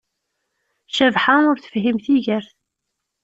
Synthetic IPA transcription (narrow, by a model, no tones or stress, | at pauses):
ʃævħaʊɾθə̥fɦimθiʝəɾθ